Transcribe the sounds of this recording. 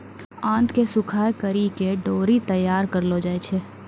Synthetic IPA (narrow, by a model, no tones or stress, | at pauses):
ãːnt̪kesʊkʰaːjkəɾikeɖoːɾit̪əjːaːɾkəɾlod͡ʒaːet͡ʃʰeː